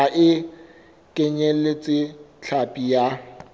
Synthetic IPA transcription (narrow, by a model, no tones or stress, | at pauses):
aʔɪ | kʼeɲɛlet͡sʼɪt͡ɬʰapʼija